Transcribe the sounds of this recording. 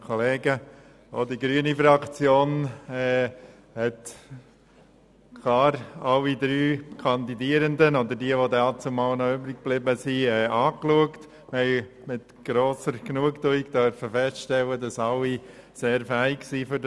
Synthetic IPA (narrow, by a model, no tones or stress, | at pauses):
kʰoleːɡə | odiɡɾyənifɾɑkt͡sjoːnɛː | hɛt̪ | kʰlɑːɾɑlːid̪ɾyːkʰɑnd̪idiəɾəndənod̪əɾdiəʋod̪ɛɑt͡sumɑːlnɔøbɾɪk̚b̥lɪbəsiɛːʔɑːkluəkt | mɛɪ | mɪt̪ɡ̥ɾoːsəɾɡnuəktuikd̪œɾfəfɛstʃtɛlədɑsɑlːi | seːɾfæɪksiːfʏd